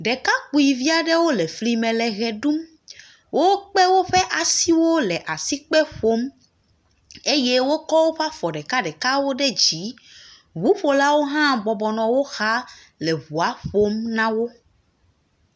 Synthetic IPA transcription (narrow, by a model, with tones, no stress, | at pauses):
ɖɛ˨ka˦k͡pu˨i˨vi˦a˨ɖe˦wo˦lɛ˨fli˨mɛ̃˨lɛ˨ɣɛ˨ɖu˦m | wʔo˦k͡pɛ˦wo˦ɸɛ˦ʔa˨si˦wo˦lɛ˨ʔa˨si˦k͡pɛ˦ɸo˦m | e˦je˦wo˦kɔ˦wo˦ɸa˦fɔ˨ɖɛ˨ka˦ɖɛ˨ka˦wo˦ɖɛ˦d͡ʑi˨˦ | βu˦ɸo˨la˦wo˦ɦã˦bɔ˨bɔ˨nɔ̃˨wo˦xa˦ | lɛ˨βu˨a˦ɸo˦mnã˦wo˦